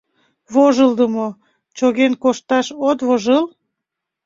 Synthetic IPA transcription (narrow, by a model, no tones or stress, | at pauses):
βoʒəlˠd̪əmo | t͡ɕoɣenkoʃt̪ɑʃot̪βoʒəl